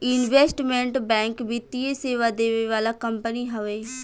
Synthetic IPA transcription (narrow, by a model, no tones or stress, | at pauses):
ɪnʋeːsʈmẽɳʈbɛ̃ːŋkbʱit̪ieseːʋad̪eːʋeʋaːlakəmpəniɦəʋeː